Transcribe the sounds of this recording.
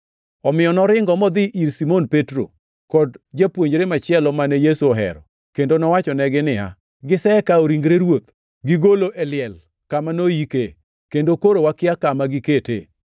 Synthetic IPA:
ɔmɪjɔnɔɾɪŋɡɔmɔd̪ɪʔiɾsimonpetɾo̰ | kɔdd͡ʒapwoɲd͡ʒɾemat͡ʃɪɛlɔmanɛjesuɔɦɛ̰ɾɔ | kendonɔwat͡ʃɔnɛɡɪnɪa̰ | ɡɪsɛkaoɾiŋɡɾeɾwot̪̚ | ɡɪɡoloʔɛlɪɛl | kamanojike | kendokoɾowakɪakamaɡɪketḛ

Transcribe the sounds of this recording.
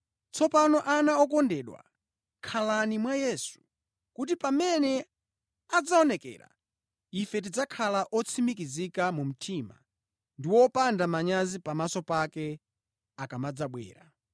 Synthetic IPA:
t͡sɔpanɔʔanaɔk̬ɔndɛɗwa̰ | kʰalanimwajɛsu̥ | kut̬ipamɛnɛ | ad͡zaɔnɛkɛ̰ːɾa̰ | ifɛt̬id͡zakʰalaʔɔt͡sʰimikizikamum̩tʰima̰ | ndiwɔpandamaɲazipamasɔpakɛ | akamad͡zaɓwɛ̰ːɾa

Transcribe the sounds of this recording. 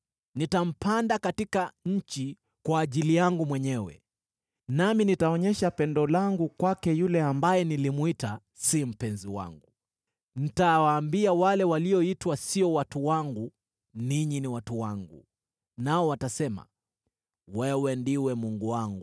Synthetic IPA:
nitam̩pʰandakatikaɲ̩t͡ʃi | kwaːʄilijaŋɡumwɛɲɛwɛ̰ | naminitaɔɲɛʃapɛndɔlaŋɡukwakɛjulɛambajɛnilimwita | sim̩pɛnziwa̰ŋɡu | n̩tawaːmbiawalɛwaliɔitwasiɔwatuwaŋɡu | niɲiniwatuwaŋɡṵ | naɔwatasɛma̰ | wɛwɛndiwɛmuŋɡuwaŋɡu

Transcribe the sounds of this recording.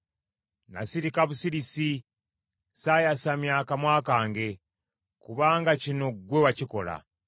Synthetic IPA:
na̰siɾikaβusiɾisi | sajasamjaːkamwaːkaːŋɡe̞ | kuβaːŋɡacino̞ɡwe̞waciko̞la̰

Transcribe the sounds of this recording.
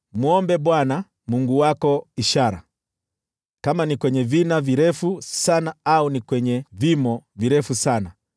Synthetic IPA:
muɔmbɛɓwana | muŋɡuwakɔiʃaɾa̰ | kamanikwɛɲɛvinaviɾɛfusanaaunikwɛɲɛvimɔviɾɛfusana

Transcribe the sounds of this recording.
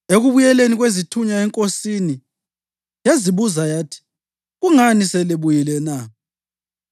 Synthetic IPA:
eɣuβujɛleniɣwezitʰuɲaɛŋkʼosini | jaziβuzajaːtʰi̥ | ɣuŋanisɛliβujilɛna

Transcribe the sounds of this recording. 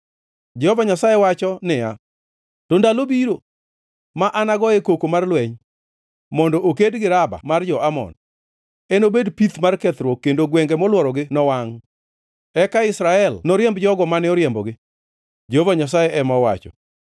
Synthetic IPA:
d͡ʒɛhovaɲasajewat͡ʃɔnɪja | tɔndalobiɾo | maʔanaɡɔekokomarlwɛɲ | mɔndɔʔokedɡɪɾaba̰mard͡ʒɔʔamɔ̰n | ɛnobedpit̪markɛt̪ɾwɔkːendoɡwɛŋɡɛmɔlwɔɾɔɡɪnɔwaŋ | ɛkaɪsɾaɛlnɔɾjɛmbd͡ʒɔɡɔmanɪɔɾjɛmbɔɡɪ | d͡ʒɛhovaɲas̬ajeʔɛmɔwa̰t͡ʃɔ̰

